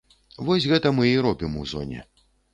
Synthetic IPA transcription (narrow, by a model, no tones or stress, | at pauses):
vɔsʲɣɛt̪ɐmɨiɾɔbʲimuzɔ̰nʲɛ̰